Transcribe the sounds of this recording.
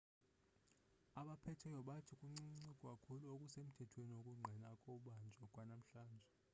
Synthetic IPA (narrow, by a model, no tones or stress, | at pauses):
aɓapʰɛtʰɛjɔɓatʰikʼuŋ͡ǀiŋ͡ǀikʼɔkʼakʰuluokʼusem̩tʰɛtʰweniokʼuŋ͡ǀʱɛnakʼɔɓand͡ʒʱɛkʼwanam̩ɬaːnd͡ʒʱɛ